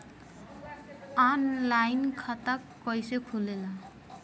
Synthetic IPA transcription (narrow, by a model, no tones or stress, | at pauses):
anlajnkʰat̪akːʌjsekʰulela